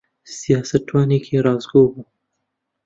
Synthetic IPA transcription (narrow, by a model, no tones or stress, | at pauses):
siasatwanikʰiɾazɡuɡu